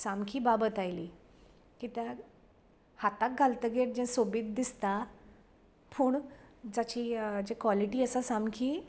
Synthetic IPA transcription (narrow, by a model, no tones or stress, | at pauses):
samkʰiːbabət̪ajliː | kit̪ja | hat̪ak̚ɡʱalt̪əɡeʈ̚d͡ʑɛ̃sobiːt̪̚d̪ist̪a | puːɳd͡zat͡ɕiːd͡ʑekʋaliʈiːəsasamkʰiː